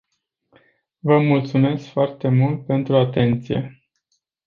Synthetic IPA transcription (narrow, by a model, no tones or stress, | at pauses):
vəmult̪sume̞skfoart̪e̞mult̪̚pe̞nt̪ɾuat̪e̞nt̪sije̞̰